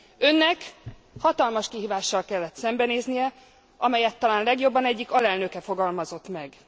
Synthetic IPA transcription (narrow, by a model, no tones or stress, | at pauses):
ø̞nːɛk | hɒt̪ɒlmɒʃkiɦiːvaːʃːɒlkɛlːɛt̪sɛmbɛneːznijɛ | ɒmɛjɛt̪ːɒlaːnlɛɡjo̞bːɒnɛɟːikɒlɛlnø̞kɛfo̞ɡɒlmɒzo̞t̪mɛɡ